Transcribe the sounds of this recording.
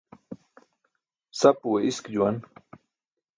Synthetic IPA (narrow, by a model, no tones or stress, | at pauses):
sapuweʔiskd͡ʑuwan